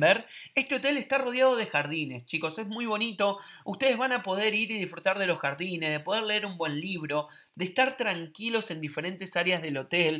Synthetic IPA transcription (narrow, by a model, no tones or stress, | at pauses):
beɾe̞st̪eo̞t̪e̞lest̪aro̞ðjaðo̞ð̞e̞xaɾð̞ine̞st͡ʃiko̞se̞zmujβo̞nit̪o̞ust̪e̞ð̞e̞zβanapo̞ð̞eɾiɾiðifɾut̪aɾðe̞lo̞sxaɾðinezðe̞po̞ð̞eɾleeɾumbwe̞nliβ̞ɾo̞ | d̪eːst̪aɾt̪ɾaŋkilo̞se̞nd̪ife̞ɾe̞nt̪e̞saɾjazð̞e̞lo̞t̪el